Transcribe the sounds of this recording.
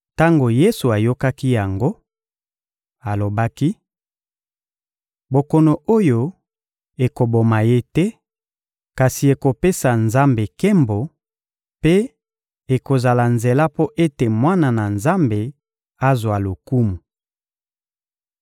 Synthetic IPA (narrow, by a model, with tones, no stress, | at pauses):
ta˦ŋɡo˨je˦su˨a˨jo˦ka˦ki˦ja˨ŋɡo˦ | a˨lo˨ba˦ki˦ | bo˨kɔ˨no˨o˦jo˨ | e˨ko˨bo˨ma˨je˦tɛ˦ | ka˨si˨e˨ko˨pe˦sa˨nza˦mbe˨kɛ˦mbo˨ | pe˦ | e˨ko˨za˨la˨nze˨la˦po˦ʔe˦te˨mwa˦na˨na˨nza˦mbe˨ | a˦zwa˨lo˨ku˦mu˨